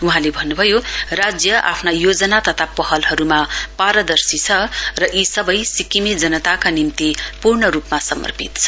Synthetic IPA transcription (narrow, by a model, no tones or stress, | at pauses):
uɦãlebʱʌnːubʱʌjorad͡zjʌʔa̰pʰnajod͡zʌnat̪ʌt̪ʰapʌɦʌlɦʌɾumapaɾʌd̪ʌrsit͡sʰʌrʌʔisʌbʌjsikimid͡zʌnʌt̪akanimt̪ipurɳʌɾupmasʌmʌ̰rpḭt̪t͡sʰʌ̥